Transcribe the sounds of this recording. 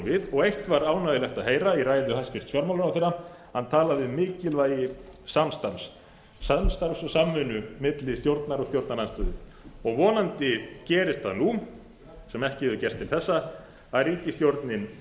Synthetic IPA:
vɪðɔɣejht̪vaɾaːwnajɪlɛxt̪aðɦeːjɾaiɾaːjɪlʏhascɪst̪fjɔɾmawlʏnaθɪɾa | hant̪ʰaːlaðɪmɪːcɪlvaːjɪsamst̪ams | samst̪aɾmsɔsamːʏnʏmɪt̪lɪst̪jowɾt̪naɾɔt̪jowɾt̪naɾanst̪œːðɪ | ɔɣvɔːnant̪ɪcɛːɾɪst̪ʰaðnu | sɛmɛhcɪhɛvʏcɛr̥t̪ʰːɪlθɛsːa | aðriːcɪst̪jowɾt̪nɪn

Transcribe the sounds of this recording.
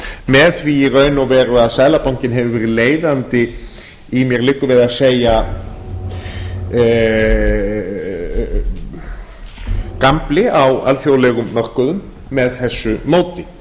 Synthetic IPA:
mɛðθviːrœːɥnɔvɛːɾʏaðsaːjlapawŋcɪnɦɛvʏvɛɾɪleːjðant̪ɪ | imjɛɾlɪːkːʏvɪðaseːja | kamplɪawa̰lθjowlɛɣʏmːœr̥kʏðʏmː | ɛðθɛsːʏmoːwt̪ɪ

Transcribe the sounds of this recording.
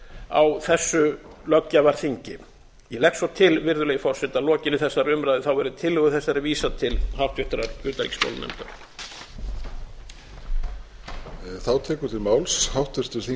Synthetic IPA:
a̰wθɛsːʏlœcːavaɾ̥θiɲcɪ | jɛlɛktsvɔt̪ʰɪlvɪɾðʏlɛjʏfɔr̥sɪt̪alɔːcɪnɪθɛsːaɾʏmɾajðɪθawɛɾʏðʏt̪ʰɪlhʏɣʏθɛsːaɾɪviːsat̪ʰɪlhawht̪vɪht̪ɾaɾʏːt̪aɾḭkspo̰wlmɛ̰mt̪aɾ̥ | θawt̪ʰɛːkʏ̥t̪ʰɪlmaːwlshawht̪ɪst̪ʏɾ̥θi

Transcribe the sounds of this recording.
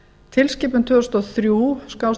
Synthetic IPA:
t̪ʰɪlscɪːpʏnt̪ʰvʏst̪ɔθɾjuskaws

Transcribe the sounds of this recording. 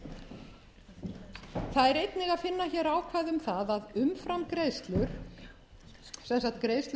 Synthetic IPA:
θaðɛɾejt̪nɪɣaðfɪnːaçɛːɾaːwkʰvaːjðʏmθaðaðʏmfɾamkɾeːjst̪lʏɾ̥ | sɛnsaht̪̚kɾeːjst̪l

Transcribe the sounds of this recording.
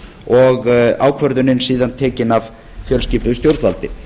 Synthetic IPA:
ɔɣaːwkʰvœɾðʏnɪnsiːðant̪ʰɛːcɪnav | fjœlsciːpʏðʏst̪jowɾt̪valt̪ɪ

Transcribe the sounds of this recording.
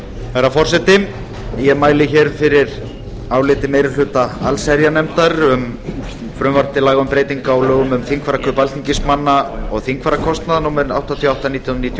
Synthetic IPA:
ɛɾafɔr̥sɛt̪ɪm | jɛmaːjlɪçɛɾfɪɾɪɾ | awlɪːt̪ɪmeːjɾʏlʏːt̪aalsɛɾjanɛmt̪aɾʏm | fɾʏmvaɾ̥t̪ɪlaːɣaʏmpɾeːjt̪iŋkaawlœːɣʏmʏmθiŋkʰvaɾakʰœpalt̪iŋcɪsmanːaɔɣθiŋkʰvaɾakʰɔst̪naðnuːmɛɾʏna̰wht̪ant̪ʰiawht̪aniːt̪jnniːt̪ʰj

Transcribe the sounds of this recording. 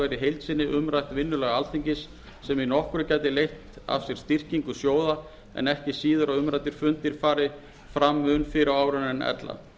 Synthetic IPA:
ɛjɾɪɦejlt̪sɪnːɪʔʏmɾajht̪vɪnːʏlɛɣaalt̪ʰiɲcɪsː | ɛminɔhkʏɾʏcajt̪ɪlejht̪a̰fsjɛɾ̥st̪ir̥ciŋkʏsjoːwða | ɛ̰nɛhcɪsiːðʏɾaðʏmɾajt̪ɪɾ̥fʏnt̪ɪɾ̥faːɾɪ | fɾamːʏnfɪɾaaːwɾʏnɛnɛ̰t̪la̰

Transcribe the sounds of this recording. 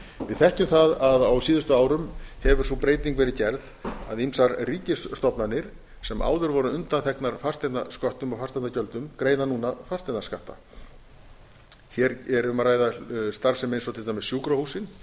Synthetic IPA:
vɪðθɛhcʏmθaðaðawsiːðʏst̪ʏaːwɾʏmhɛvʏɾ̥θupɾeːjt̪iŋkvɛːɾɪðcɛɾð | a̰ðimsaɾriːcɪsst̪ɔpnanːɪɾ̥ | sɛmʔa̰ːwðʏɾvɔɾʏʏnt̪anθɛhknaɾ̥far̥st̪ɛt̪naskɔht̪ʏmawfast̪anacœlt̪ʏmkɾeːjðanuːnafarst̪ɛt̪naskaht̪a̰ | çɛɾɛɾʏmaɾaːjðast̪aɾsɛmejnsɔwt̪ʰɪlamɪsjuːkɾahuːsɪn

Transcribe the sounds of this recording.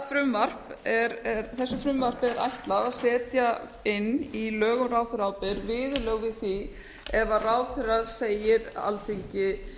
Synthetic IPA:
fɾʏmvar̥pɛɾɛɾθɛsːʏfɾʏmvar̥pɪɛɾa̰jht̪laðaðsɛːt̪jaɪnːilœːɣʏmrawθʏɾaːwpɪɾvɪːðʏlœɣvɪðθi | ɛvaraːwθʏɾaseːjɪɾa̰lθiɲcɪ

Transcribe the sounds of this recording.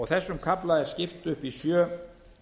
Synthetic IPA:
ɔɣθɛsːʏmkʰaplaɛɾ̥scɪft̪ʏhpisjœː

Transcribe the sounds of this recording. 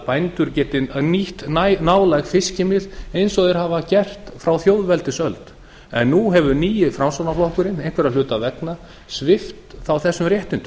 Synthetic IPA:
pajnt̪ʏɾcɛːt̪ɪniht̪anaːwlajxfɪscɪmɪðejnsɔɣðɪɾɦavacɛr̥t̪fɾawθjowðvɛlt̪ɪsœlt̪ | ɛnːuɦɛvʏniːjɪfɾamsownaflɔhkʏɾɪnejhkʰvɛɾaðlʏːt̪avɛkna | svɪft̪θawθɛsːʏmrjɛht̪ɪnt̪ʏ

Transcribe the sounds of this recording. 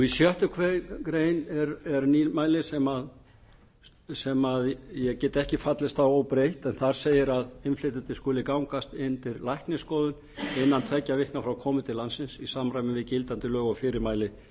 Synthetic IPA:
isjœht̪ʏkʰvejkɾeːjnɛɾɛɾniːlmaːjlɪsɛmað | sɛmaðjɛɣcɛːt̪ɛhcɪfat̪lɪst̪θawaːwpɾejht̪ɛnθaɾ̥seːjɪɾaðɪnflejt̪ɪnt̪ɪskʏːlɪkawŋkast̪ɪnt̪ɪɾlajhknɪskɔːðʏn | ɪnːant̪ʰɛcːavɪhknafɾawkʰɔːmʏt̪ʰɪlːansɪnsisaːmɾajmɪvɪðcɪlt̪ant̪ɪlœːɣafɪːɾɪɾmaːjlɪ

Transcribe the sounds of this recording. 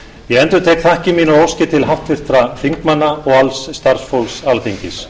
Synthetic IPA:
jɛɣɛnt̪ʏɾt̪ʰeːjkθahcɪmiːnʏowscɪt̪ʰɪlɦaft̪fɪr̥t̪ɾaθiŋkmanːaɔɣalsːt̪aɾ̥sfowlsalθiɲcɪs

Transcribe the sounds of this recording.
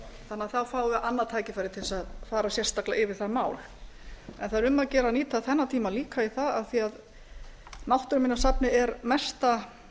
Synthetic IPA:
θanːaθawfaːwʏʔanːat̪ʰaːjcɪfajɾɪt̪ʰɪlsaðfaːɾasjɛrst̪aklaʔɪvɪɾ̥θaɾmaːwl | ɛnθaðɾʏmːaðcɛːɾaniːt̪ʰaθɛnːat̪ʰiːmaliːkaiθaðaθiað | nawht̪ʏɾmɪnːasapnɪɛɾmɛst̪a

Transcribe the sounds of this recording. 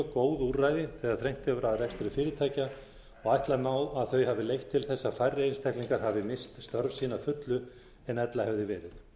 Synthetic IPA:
koːwðurajðɪθɛːɣaðθɾejŋ̥t̪œvʏɾaðrɛkst̪ɾʏfɪːɾɪt̪ʰaːjca | ɔɣajht̪lamaːwaðθœɥhavɪlejht̪ʰːɪlθɛsːafajrːɪejnst̪ʰɛhkliŋkaɾ̥havðɪmɪst̪st̪œɾvsiːnafʏt̪lʏ | ɛnɛt̪lahɛvðɪvɛːɾɪθ

